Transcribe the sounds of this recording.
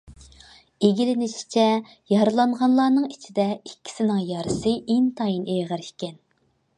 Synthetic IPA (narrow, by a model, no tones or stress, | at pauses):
eɡʲilɪnɪʃʰi̥t͡ʃʰɛ | jɑɾɨlˠɑɴʁɑnlˠɑːnɨŋit͡ʃʰid̪ɛikʲːi̥sɪnɪŋjɑɾɨsɨʔint̪ʰɑjinʔeʁəɾikʲɛn